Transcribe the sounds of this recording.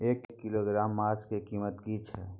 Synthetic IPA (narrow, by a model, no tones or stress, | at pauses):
eːkːɪloɡɾaːmːaːskekiːmət̪kit͡ʃʰɛ̰ː